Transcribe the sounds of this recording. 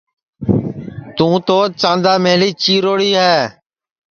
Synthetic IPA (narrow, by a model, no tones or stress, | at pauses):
t̪ũːt̪oːt͡ʃãːnd̪aːmeːliːt͡ʃiːɾoːɽiːɦɛː